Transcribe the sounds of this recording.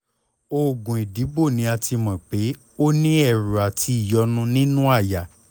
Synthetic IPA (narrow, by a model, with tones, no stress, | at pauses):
o˦˨ɡũ˨i˨di˨˦bo˦˨nĩ˨˦a˧˨ti˧mã˨k͡pe˨˦ | o˦nĩ˦ɛ˦˨ɾu˨a˨tʰi˧i˦˨jɔ˨˧˦nũ˦nĩ˦nũ˦a˦˨ja˨